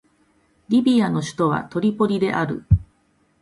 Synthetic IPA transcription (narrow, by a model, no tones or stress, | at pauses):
ɾʲibʲiano̞ɕɨ̥t̪o̞β̞a̰t̪oɾʲipo̞ɾʲid̪e̞ʔaɾɯ̟̰